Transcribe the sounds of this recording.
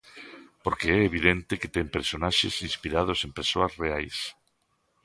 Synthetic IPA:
poɾkeɛeβ̞iðent̪eket̪empeɾsonaʃḛsinspiɾað̞osempeɾsoazreajs

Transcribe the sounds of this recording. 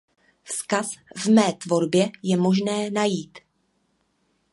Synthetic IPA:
fskasvmɛːt̪vo̞ɾbjɛjɛmo̞ʒnɛːnajiːt̪

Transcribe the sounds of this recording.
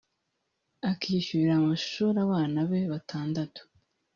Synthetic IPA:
akʰiːʃuiɾamaʃʃuːɾaβaːnaβe̞βatʰaːndato̥

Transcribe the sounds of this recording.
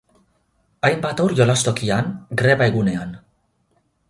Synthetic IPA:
ajmbat̪awɾjo̞last̪o̞kiaŋɡɾe̞βae̞ɣune̞an

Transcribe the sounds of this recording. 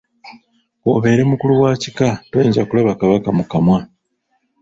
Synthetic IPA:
woβe̞ːɾe̞mukuluwaːcikatwe̞ːɲɟakulaβakaβakamukamwa

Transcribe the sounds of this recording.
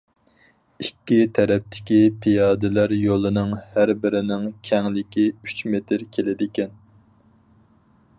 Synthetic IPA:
ikʲːit̪ʰɛɾɛp̚t̪ʰɪ̥kʲipʰijɑːd̪ɪlæɾjolˠɨnɨŋhæɾbɪɾɪnɪŋkʲʰɛŋlɪkʲiyt͡ʃmet̪ʰɪɾkʲʰelɪd̪ɪkʲʰɛn

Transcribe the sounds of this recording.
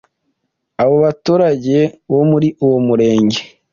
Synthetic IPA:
aβo̞βatuːɾaɟe̞βo̞muɾiʔuwomuɾe̞ːɲɟe̞

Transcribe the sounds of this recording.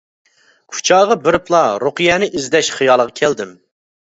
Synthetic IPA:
kʲʰu̥t͡ʃʰɑːʁɑbɪɾɪplˠɑɾoqɨjɛnɪʔizd̪ɛʃχɨjɑlˠəʁɑkʲʰɛld̪ɪm

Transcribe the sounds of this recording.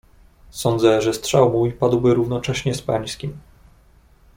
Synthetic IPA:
sɔnd̪zɛʐɛstʂawmujpad̪wbɘɾuvnɔt͡ʂɛɕɲɛspa̰ɲskʲim

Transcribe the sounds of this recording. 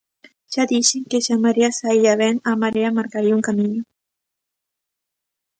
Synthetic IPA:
ʒ̥ad̪iʃeŋkeʃamaɾeasaiaβɛnamaɾeamaɾkaɾiauŋkamiɲu

